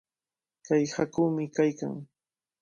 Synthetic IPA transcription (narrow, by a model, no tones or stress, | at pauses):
kajhakuːmɪkajka̰ŋ